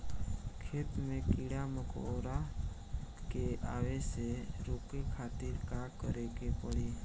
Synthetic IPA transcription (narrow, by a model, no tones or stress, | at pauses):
kʰeːt̪mẽkiɽaməkoɾa | keaːweseɾoːkekʰaːt̪ɪɾkakəɾekepəɽiː